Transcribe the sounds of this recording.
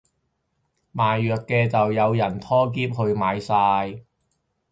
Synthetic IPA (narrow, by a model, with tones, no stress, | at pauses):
maː˨jːœː˨t̚kɛː˧t͡sɐ˨wjɐ˨˧wjɐ˨˩nt̪ʰɔː˥k̬iː˥p̚hɵ˧ɥmaː˨˧jsaː˧j